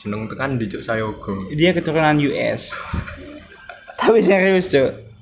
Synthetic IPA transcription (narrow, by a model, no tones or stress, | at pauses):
d͡ʒ̥ənəŋt̪əŋandid͡ʒʊʔsajaɡ̥ɔdiakət̪uɾunanjuʔɛ̰s | t̪apisɪŋriʊsd͡ʒo